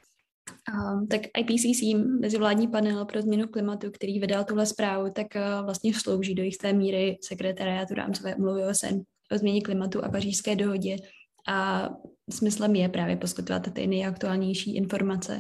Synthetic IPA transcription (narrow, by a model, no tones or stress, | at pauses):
t̪akʔajpisiːsiːmɛzɪvlaːdɲiːpanɛlpɾo̞zmɲɛnuklɪmat̪ukt̪ɛɾiːvɪdalt̪uɦlɛspɾaːvut̪akvlast̪ɲɛslo̞wʒiːdo̞jɪxt̪ɛːmiːɾɪsɛkɾɛt̪aɾɪaːt̪uɾa̰ːmt͡sovɛːʔumluvɪoɛsɛ̰n | ʔozmɲɛɲɛklɪmat̪uʔa̰pariːʃskɛːdo̞ɦo̞ɟɛ | ʔa | smɪslɛmjɛpɾaːvjɛpo̞skɪt̪ova̰t̪t̪ɪ̰nɛjʔak̚t̪uaːlɲɛjʃiːʔɪnfo̞ɾmat͡sɛ̰